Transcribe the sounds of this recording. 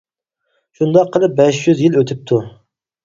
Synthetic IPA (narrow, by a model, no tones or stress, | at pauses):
ʃund̪ɑqʰːəlˠɨp̚bɛʃjyzjiløt̪ʰɪp̚t̪ʰu